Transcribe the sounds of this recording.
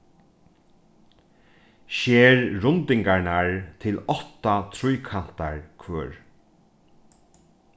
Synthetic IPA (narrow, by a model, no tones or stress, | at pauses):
ʃɛːɹɾʊnt̪ɪŋkaɹnaɹt̪ʰɪlɔt̪at̪ʰɾʊjkʰan̥t̪aɹkʰʋœːɹ